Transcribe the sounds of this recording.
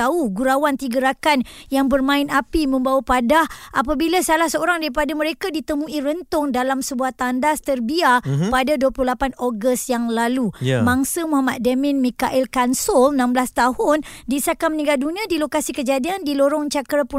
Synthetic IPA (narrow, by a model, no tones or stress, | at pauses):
auɡuɾawant̪iɡəɾakanjaŋbərmãɪnapimə̃mbawapadahʔapabilasalahsəoɾaŋdaɾipadaməɾekadit̪əmũiɾənt̪ʊŋdalamsəbuaht̪andast̪ərbiapadaduəpluhlapanoɡəst̪̚jaŋlalumãŋsəmuɦamat̪̚demɪ̃nmikaʔɪlkansɔlnãmblast̪aɦʊndisakamənĩɡaldunĩadilokasikəd͡ʒadiandiloɾɔŋt͡ʃakəɾapu